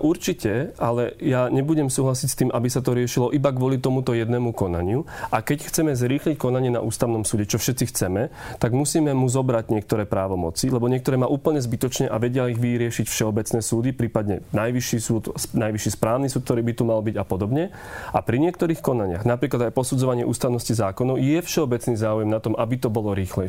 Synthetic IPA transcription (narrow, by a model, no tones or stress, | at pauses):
ʔuɾt͡ʃicɛalɛjaɲɛbuɟɛmsuːɦlasicst̪iːmʔabisat̪ɔɾɪɛʃilɔʔibaɡʋʊɔlit̪ɔmut̪ɔjɛd̪nɛːmukɔna̰ɲɪuʔakɛcxt͡sɛmɛzɾiːxlickɔnaɲɪɛna̰ʔuːst̪aʊnɔmsuːɟɛt͡ʃɔfʃɛt̪t͡sixt͡sɛmɛt̪aɡmusiːmɛmuzɔbɾaɟɲɪɛk̚t̪ɔɾɛːpɾaːʋɔmɔ̰t͡silɛbɔɲɪɛkt̪ɔɾɛːmaːʔuːpl̩ɲɛzbit̪ɔt͡ʃɲɛʔaʋɛɟɪaiɣʋiɾɪɛʃicfʃɛɔbɛt͡snɛːsuːd̪ipɾiːpad̪ɲɛnajʋiʃisuːt̪snajʋiʃispɾaːʊnisuːkt̪ɔɾiːbit̪umalbiɟapɔd̪ɔbɲɛ | apɾiɲɪɛkt̪ɔɾiːxkɔnaɲɪa̰ɣnapɾiːklad̪ajpɔsud͡zɔʋaɲɪɛʔuːst̪aʊnɔscizaːkɔnɔʊjɛfʃɛɔbɛt͡sniːzaːujɛmnat̪ɔmʔabit̪ɔbɔlɔɾiːxlɛ